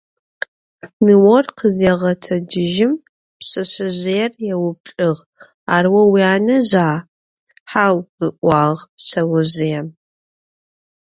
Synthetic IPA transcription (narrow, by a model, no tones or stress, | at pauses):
nɨwɔrqʰəzeːʁɐtʰɐdɪʒɪm | pɕɐɕɐʑʷeːrjɛwʊp̚ɬʼɨʁ | aːrwɐwiaːnɐʑaː | ħaːwəʔʷɑːʁɕɐwʊʑɪjɛm